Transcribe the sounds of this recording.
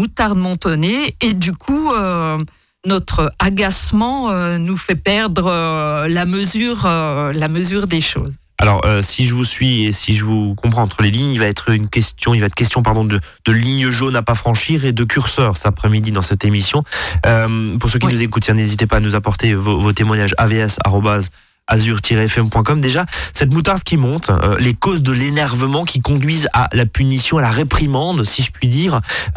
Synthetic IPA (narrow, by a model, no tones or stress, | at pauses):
mut̪aʁd̪mɑ̃t̪ɔneed̪ykʰuø | nɔt̪χəaɡasmɑ̃ønufɛpɛʁd̪ʁəlaməzyːʁølaməzyʁd̪eʃo̰ːz | a̰lɔ̰ʁøsiʒəvusɥiesiʒəvukɔ̃pχɑ̃ɑ̃t̪χəleliɲilvaɛt̪χynkʲɛst̪jɔ̃ilvaɛt̪χəkʲɛst̪jɔ̃paʁd̪ɔ̃d̪ə | d̪̥əliɲəʒonapafχɑ̃ʃiʁed̪əkʲyʁsœʁsɛ̥t̪apχɛmid̪id̪ɑ̃sɛt̪emisjɔ̃ømpuʁsøk̬ʲinuzekut̪jɛ̃nezit̪epaːnuzapɔʁt̪evovot̪emwaɲaʒa̰veɛsa̰ʁɔbaz | azyʁt̪ʰiʁeɛfɛmpwɛ̃kɔmd̪eʒasɛt̪mut̪aʁd̪kʲimɔ̃t̪ø̰lekozd̪əlenɛʁvəmɑ̃kʲikɔ̃d̪ɥiza̰lapynisjɔ̃alaʁepχimɑ̃d̪siʒəpɥid̪iːʁ